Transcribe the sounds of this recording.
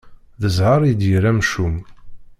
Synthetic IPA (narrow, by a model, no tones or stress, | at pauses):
ðəzʕɑɾˤijd̪jəɾæmʃum